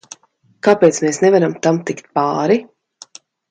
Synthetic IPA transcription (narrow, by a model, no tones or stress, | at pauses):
kaːpeːt̪smeːsnɛvaɾamt̪amt̪ikt̪̚paːɾi